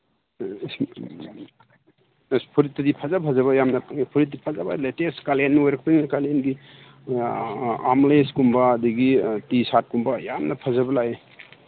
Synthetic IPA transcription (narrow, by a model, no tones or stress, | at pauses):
spʰuɾit̚ːɐdipʰazabpʰazaβajamnɐpʰaŋipʰuɾit̚dipʰazabaleteskalenːɔjɾɐk̚pininakalenɡi | amleskumbaːdiɡitisat̚kumbajamnɐpʰazabɐlaj